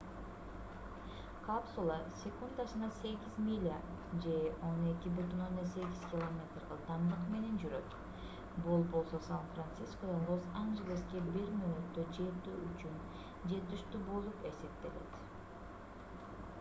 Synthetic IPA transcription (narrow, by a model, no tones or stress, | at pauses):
kapsulˠasʲekund̪aʃɯnɑse̞ɡʲizmʲilʲa | d͡ʒe̞o̞ne̞kʲibyt̪ynonese̞ɡʲiz̥kʲilˠomʲe̞t̪rlɑd̪ɑmd̪ɯqme̞ne̞nd͡ʒyɾø̞t̪ | bulˠpbo̞lˠso̞sanfrant̪siskod̪ɑnlˠosanʒelʲeskʲebiɾmynyt̪ːød͡ʒe̞t̪yyt͡ʃyn | d͡ʒe̞t̪yʃt̪ybolˠupe̞se̞p̚t̪e̞le̞̰t̪